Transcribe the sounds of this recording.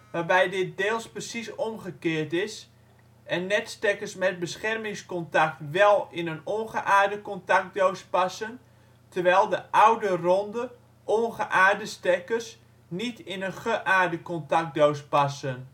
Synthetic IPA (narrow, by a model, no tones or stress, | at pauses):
ʋaːrbɛjdɪt̚deːlˠsprəsisomχəkɪːrtɪs | ɛnːɛtstɛkərsmɛt̚bəsχɛrmɪŋskɔntak̚tʋɛlˠɪnənonχəʔaːrdəkɔntak̚dowspasən | tʰərʋɛjlˠdəʔawdərondə | ʔonχəʔaːrdəstɛkərs | nitɪnənχəʔaːrdəkɔntak̚dowspasən